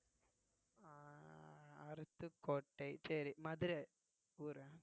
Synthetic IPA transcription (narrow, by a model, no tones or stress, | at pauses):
ɐɾɯt̪ːɯkoːʈːɐɪsɐɾimɐðɪɾe | uːɾɐ